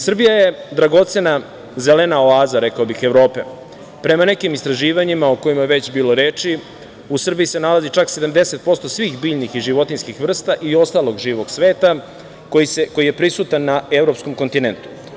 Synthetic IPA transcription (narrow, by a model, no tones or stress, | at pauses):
sr̩bijaje̞d̪ɾaɡo̞t̪se̞na | zelenao̞aːzaɾe̞kaobixe̞ʋɾo̞ːpe̞ | pɾe̞mane̞kimist̪ɾaʒiːʋaɲimaoko̞jimajeʋe̞t͡ɕbiːlo̞ɾeːt͡ʃi | usr̩bijise̞nalazit͡ʂakse̞d̪amd̪e̞set̪̚po̞st̪osʋiːxbiːʎnixiʒiʋo̞t̪inskixʋr̩st̪aʔio̞st̪alo̞ɡʒiːʋo̞ɡsʋe̞ːt̪a | kojiseko̞jije̞pɾisuːt̪anːae̞vɾo̞psko̞mko̞nt̪inent̪u̥